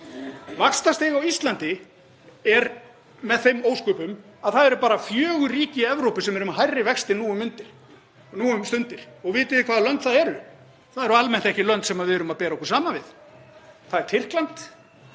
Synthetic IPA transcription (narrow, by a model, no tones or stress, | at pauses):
vakst̪ast̪eːɣawist̪lant̪ɪ | ɛɾ | mɛðθejmoːwskʏːpʏm | aðθaðɛɾʏpaːɾafjœːɣʏriːcɪɛvɾowpɪsɛmɛɾʏmaɦajrːɪvɛkst̪ɪnuːʏmʏnt̪ɪɾ̥ | nuːʏmst̪ʏnt̪ɪɾ̥ɔɣvɪːt̪ɪðɪkʰvaːðlœnt̪θaðɛɾʏ | θaðɛɾalmɛn̥t̪ɛhcɪlœnt̪sɛmaðvɪðɛːɾʏmaðpɛːɾaɔhkɔɾ̥saːmavɪð | θaðɛɾ̥t̪ʰɪr̥klant̪